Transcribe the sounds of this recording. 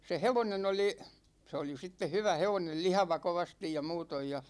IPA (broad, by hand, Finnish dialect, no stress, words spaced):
se heʋonen oli se oli sitːe hyʋæ heʋonel lihɑʋɑ koʋɑstij jɑ muːtoj jɑ